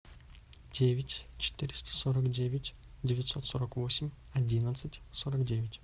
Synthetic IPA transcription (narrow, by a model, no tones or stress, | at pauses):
dʲevʲɪtʲt͡ɕɪ̥t̪ʲɪɾʲɪst̪ə̥soɾəkdʲevʲɪtʲ | dʲɪvʲɪt̪so̞t̪soɾəkvo̞sʲɪmʲ | ɐdʲinət̪sɨtʲsoɾəkdʲevʲɪtʲ